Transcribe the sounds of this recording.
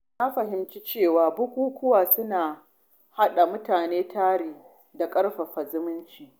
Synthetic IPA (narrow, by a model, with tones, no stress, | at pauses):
na˦ɸɐ˨ɦɪ˨mt͡ʃi˦t͡ʃeː˦˨waː˨bʊ˦kʷuː˦kʷʊ˦waː˨sʊ˦naː˨ | ha˦ɗa˨mʊ˦taː˨neː˦tʰaː˦ɽiː˨ | da˨kʼɐ˦ɽɸa˨ɸɐ˨zʊ˦mʊ˦nt͡ʃiː˨